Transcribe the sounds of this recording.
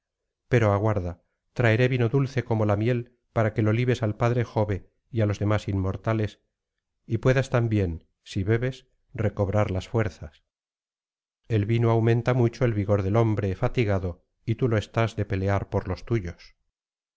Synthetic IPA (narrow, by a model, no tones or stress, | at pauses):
pe̞ɾo̞aɣ̞waɾða | t̪ɾaeɾe̞βino̞ðulθe̞ko̞mo̞lamje̞l | paɾake̞lo̞liβe̞salpaðɾe̞xo̞βe̞ | ialo̞zðe̞masimːo̞ɾt̪ale̞s | ipwe̞ðast̪ambje̞n | siβe̞βe̞s | re̞ko̞β̞ɾaɾlasfwe̞ɾθas | e̞lβinoawmẽ̞nt̪amut͡ʃo̞elβiɣo̞ɾðe̞lo̞mbɾe̞fat̪iɣaðo̞ | it̪ulo̞e̞st̪azðe̞pe̞leaɾpo̞ɾlo̞st̪uʝo̞s